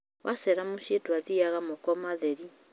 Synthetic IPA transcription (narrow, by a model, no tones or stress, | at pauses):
wʔasɛɾamuʃetwaðiaɣamokɔmaðɛɾi